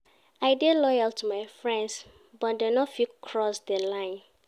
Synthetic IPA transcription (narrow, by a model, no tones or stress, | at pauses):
aɪdelɔjaltʰumajfɹɛ̃nds | bɔt̚denɔtfikʰɹɔsdəlãɪ̃n